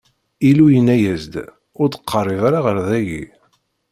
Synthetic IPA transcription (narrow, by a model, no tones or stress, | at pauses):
ilujənæjæzd̪ | ʊɾd̪ə̥qʰːərˤːiðaɾaʁəɾðæʝḭ